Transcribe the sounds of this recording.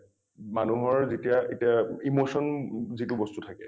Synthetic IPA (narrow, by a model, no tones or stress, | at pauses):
manuɦɔɹzetijaetiaimosɔnzitubɔstutʰakɛ